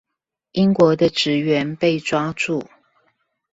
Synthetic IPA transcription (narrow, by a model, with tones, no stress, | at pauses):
ʔi˥ŋkwɔ˧˥d̪ə˧ʈ͡ʂɻ̩˨˥ɥɛ˧˦npe˥˩˨ɪʈ͡ʂwa˥ʈ͡ʂu˥˩